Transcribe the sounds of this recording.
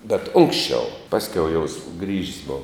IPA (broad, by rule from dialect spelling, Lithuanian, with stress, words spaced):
bʲɛt ˈʊŋksʲt͡ʃʲɛʊ ˈpɑːsʲkʲɛʊ jɛʊ sʊɡrʲiːʃʲsʲ ˈboːʋɐ